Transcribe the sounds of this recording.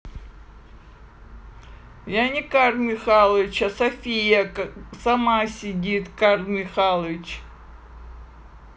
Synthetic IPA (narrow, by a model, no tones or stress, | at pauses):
janʲɪkarmʲɪxalˠəvʲɪt͡ɕɐsɐfʲijɐsɐmasʲɪdʲit̪karlmʲɪxalˠəvʲɪt͡ɕ